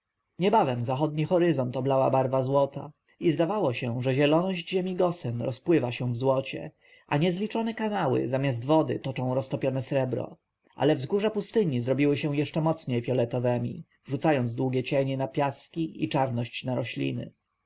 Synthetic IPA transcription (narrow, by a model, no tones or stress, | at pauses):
ɲɛbavɛmzaxɔd̪̚ɲixɔɾɘzɔnt̪ɔblawa̰baɾvazwɔt̪a̰ | izd̪avawɔɕɛʐɛʑɛlɔnɔʑd͡ʑʑɛmʲiɡɔsɛmɾɔspwɘvaɕɛw̃vzwɔt͡ɕɛ̰ | ʔa̰ɲɛzlʲit͡ʂɔnɛkanawɘ̰zamʲjazd̪vɔd̪ɘ̰t̪ɔt͡ʂɔ̃w̃ɾɔst̪ɔpʲjɔnɛsɾɛbɾɔ̰ | ʔa̰lɛvzɡuʐɛpust̪ɘɲizɾɔbʲiwɘɕɛw̃jɛʂt͡ʂɛmɔt̪sɲejfʲjɔlɛt̪ɔvɛmʲḭ | ʐut̪sajɔnzd̪wuɡʲɛt͡ɕɛɲɛnapʲjaskʲiḭt͡ʂaɾnɔɕt͡ɕnaɾɔɕlʲḭnɘ̰